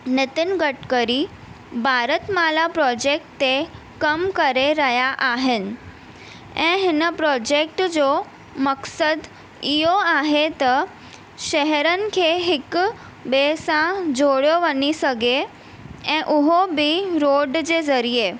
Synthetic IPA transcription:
nɪt̪ɪnɡəʈkəɾi | bʱaːɾət̪maːlapɾɔːd͡ʑeːk̚ʈt̪e | kəmkəɾeɾəɦjaʔaːɦɪnɪ̆ | ɛ̃ːɦɪnəpɾɔːd͡ʑek̚ʈd͡ʑo | məksəd̪ | iɦoaːɦet̪ɐ | ʃɛɦɛɾənɪ̆kʰeɦɪk | besãd͡ʑʱoɽjoʋənisəɡe | ɛ̃ʔʊɦobiɾoːɖd͡ʑeːzəɾije

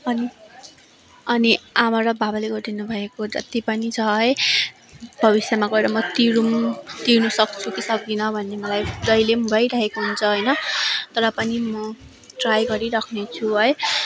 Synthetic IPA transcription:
ʌni | ʌniamaɾʌbʱabaleɡʌɾd̪inubʱʌekod͡zʌ̰t̪ipʌnit͡sʰʌɦʌj | bʱʌβisjamakʌeɾʌmʌt̪iɾumt̪iɾnusʌkt͡sʰukisʌk̚d̪inʌbʱʌnːemʌlajd͡zʌjlemɡʱʌjɾaɦekaɦunt͡sʰʌɦʌjnʌt̪ʌɾʌpʌnimʌ | ʈrajɡʌɾiɾʌkʰnet͡sʰuɦʌj

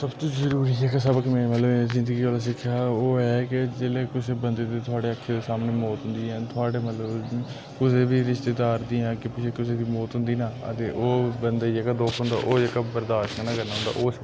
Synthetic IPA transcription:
səbt̪õːzəɾuːɾiːɦɛːkesəbəkmẽːmɛt̪ləbzɪ̃nd̪əɡiːʋaːlaːs̬ɪkʰːjaːoːɛːkɪd͡ʒeːleːkʊseːbənd̪eːd̪iːt̪ʰʊaːɽeːəkʰːeːd̪eːsaːmneːmoːt̪ɦʊ̃nd̪iːɛ̃ːt̪ʰʊaːɽeːmɛt̪ləb | kʊseːbiːɾɪʃt̪eːd̪aːɾd̪iːãːkɪpɪʃʰeːkɪseːd̪iːmoːt̪ɦʊ̃nd̪iːnãːə̰t̪eːʔoːbənd̪eːiɛːkad̪oːkʰɦʊ̃nd̪a̰ːʔoːd͡ʒeːkabəɾd̪aːʃkɛnãːkəɾnaːɦʊ̃nd̪a̰ːʔoːs

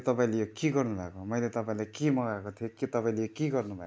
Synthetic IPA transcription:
t̪ʌpaĩlejokiɡʌrnubʱakomʌjlet̪ʌpãĩlajkimʌɡakot̪ʰiokit̪ʌpaĩlejokiɡʌrnubʱa̰

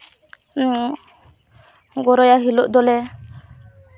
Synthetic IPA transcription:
nɔ | ɡɔɾɔjaɦilɔʔd̪ɔlɛ

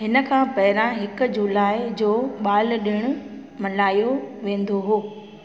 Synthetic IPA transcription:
ɦɪnə̆kʰãːpɐɦɪɾãɦɪkʊ̆d͡ʑulaːɪd͡ʑoːɓaːlɗɪɽ̃ʊ̆ | mɐlaːjoʋẽːnd̪oɦoː

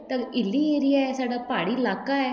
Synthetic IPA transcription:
t̪ɐɪlːieɾijaɛsaːɖapaːɽilaːkaɛ

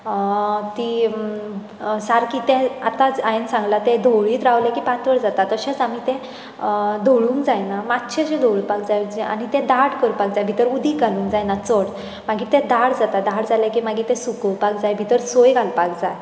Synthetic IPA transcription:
t̪i | saɾkit̪ɛ̃at̪ad͡zajensãŋɡlat̪ɛ̃d̪ʱoɭiːt̪ɾaʋljakipat̪ʰʋəɾd͡zat̪at̪əɕẽt͡samit̪ɛ̃ | d̪ʱoɭuːŋkd͡zajnamat̪ːɕʰet͡ɕẽd̪ʱoɭipak̚d͡zajd͡ʑia̰ñit̪ɛ̃d̪aɽkəɾpak̚d͡zajbʱit̪əɾud̪iɡʱalũːŋkd͡zajnat͡səɽ | maɡit̪ɛ̃d̪aɽd͡zat̪ad̪aɽd͡zaljakimaɡit̪ɛ̃sukəwpakd͡zajbʱit̪əɾsojɡalpakd͡zaj

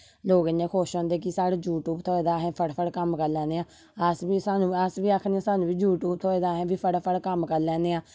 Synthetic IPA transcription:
loːɡɪnẽːkʰoːʃõːnd̪eːk̬ɪsaːɽeːd͡ʒuːʈuːbt̪ʰoːeːd̪aːɦɛ̃ːpʰəɽpʰəɽkəmkəɾlɛ̃ːnd̪eːãː | əsbiːsaːnũːəsʋiːaːkʰnãːsaːnũːʋiːd͡ʒuːʈuːb̚t̪ʰoːed̪aːɦɛ̃ːʋiːpʰəɽpʰəɽkəmkəɾlɛ̃ːnd̪eːãː

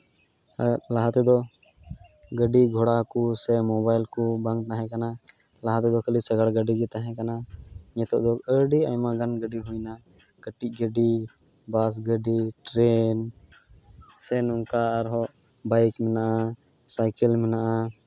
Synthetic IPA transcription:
laɦat̪ɛd̪ɔ | ɡəɖiɡʱɔɽakusɛmɔbajlkubaŋknaɦɛ̃kana | laɦat̪ɛd̪ɔkəlisəɡaɽɡəɖiɡɛt̪aɦɛ̃kanaɲɛt̪ɔ̰ʔd̪ɔəɖiajmaɡənɡəɖiɦujna | ɡ̥əʈiɡəɖi | bas̬ɡəɖiʈɾɛn | sɛnuŋkaːɾɦɔʔ | bajkmɛnaʔa | sajkɛlmɛnaʔa

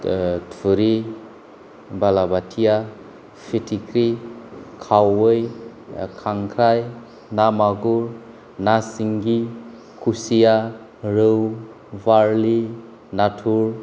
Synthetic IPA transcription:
tʰuɾi | balabatʰija | pʰitʰikʰɾikʰawɯjkʰaŋkʰɾaj | namaɡuɾ | nasiŋɡi | kʰusija | ɾɯw | baɾli | natʰuɾ

